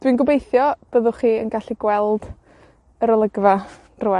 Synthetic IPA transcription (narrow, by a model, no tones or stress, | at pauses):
d̥winɡʊbejθjɔb̥əðʊχiːə̰nɡaɬiɡwɛlˠd̥ | əɾəlˠəɡva | rʊɛ